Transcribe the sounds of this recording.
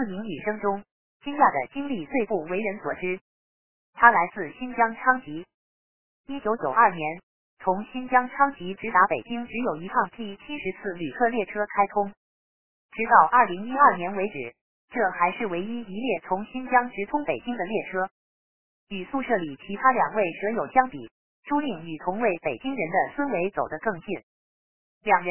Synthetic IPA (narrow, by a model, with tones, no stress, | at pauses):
t͡sɹ̩˥˩mi˧˥ŋny˨˩ʂɤ˥ŋʈ͡ʂʊ˥ŋ | t͡ɕi˥ŋja˥˩d̪ə̰˩t͡ɕi˥ŋli˥˧t͡swe˥˧ɪpu˥˩we˧˥ɪɻə˧˥nswɔ̰˨˩ʈ͡ʂɻ̩˥ | t̪ʰa˥la˧˥ɪt͡sɹ̩˥˩ɕi˥nt͡ɕjɑ˥ŋʈ͡ʂʰɑ˥ŋt͡ɕi˧˥ | i˥t͡ɕjo˧˥ʊt͡ɕjo˨˩ʊɐ˞˥˩njɛ˧˥n | t͡sʰʊ˧˥ŋɕi˥nt͡ɕjɑ˥ŋʈ͡ʂʰɑ˥ŋt͡ɕi˧˥ʈ͡ʂɻ̩˧˥t̪a˧˥pe˨˩ɪt͡ɕi˥ŋʈ͡ʂɻ̩˧˥jo˨˩ʊi˧˥ʈ͡ʂʰɑ˥˧ŋt̪ʰi˥˩t͡ɕʰi˥ʂɻ̩˧˥t͡sʰɹ̩˥˩ly˨˩kʰɤ˥˧ljɛ˥˩ʈ͡ʂʰɤ˥kʰa˥ɪt̪ʰʊ˥ŋ | ʈ͡ʂɻ̩˧˥t̪ɑ˥˧ʊʔɐ˞˥˩li˧˥ŋi˥ɐ˥˩njɛ˧˥nwe˧˥ɪʈ͡ʂɻ̩˨˩˦ | ʈ͡ʂɤ˥˩xa˧˥ɪʂɻ̩˥˩we˧˥ɪi˥i˧˥ljɛ˥˩t͡sʰʊ˧˥ŋɕi˥nt͡ɕjɑ˥ŋʈ͡ʂɻ̩˧˥t̪ʰʊ˥ŋpe˨˩ɪt͡ɕi˥ŋd̪ə˨ljɛ˥˩ʈ͡ʂʰɤ˥ | y˨˩su˥˧ʂɤ˥˩li˨˩t͡ɕʰi˧˥t̪ʰa˥ljɑ̰˨˩ŋwe˥˩ɪʂɤ˧˥jo˨˩ʊt͡ɕjɑ˥ŋpḭ˨˩˦ | ʈ͡ʂu˥li˥˩ŋy˨˩t̪ʰʊ˧˥ŋwe˥˩ɪpe˨˩ɪt͡ɕi˥ŋɻə˧˥nd̪ə˧swə˥nwe˧˥ɪt͡so˨˩ʊd̪ə˦kɤ˥˧ŋɕi˥˩n | ljɑ˨˩ŋɻə˧˥